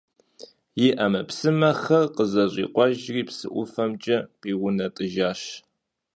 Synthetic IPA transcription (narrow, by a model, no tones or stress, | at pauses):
jɪʔɐmɐpsɨmɐxɐrqəzɐʑʼḭːqʷʼɔʒriːpsɨ̰ʔʷʊ̰fɐmt͡ʃʼɐqiːʁʷʊnɐtʼɨʒaːʃ